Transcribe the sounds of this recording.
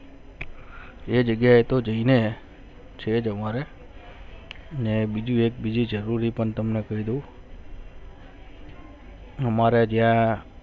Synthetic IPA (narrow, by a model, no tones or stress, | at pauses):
ed͡ʒəɡjaet̪od͡ʒəine | t͡ʃʰed͡ʒəmaɾe | ənebid͡ʒũek̚bid͡ʒid͡ʒəɾuɾipəɳt̪əmnekəɦid̪ũ | ɦəmaɾed͡ʒjã